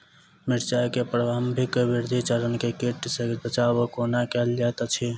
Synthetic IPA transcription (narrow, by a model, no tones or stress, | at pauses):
miɾt͡ʃakepɾəɡambʱikbiɾd̪ʱit͡ʃəɾənkekeʈsə̃ɡbət͡ʃabokonakɛld͡ʒat̪t͡ʃʰi